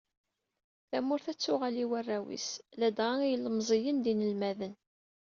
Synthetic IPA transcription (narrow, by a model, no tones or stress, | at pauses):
θæmʊɾθæt͡sːʊʁæliwərːæwḭslæd̪ʁaijələmzˤijənd̪inəlmæðən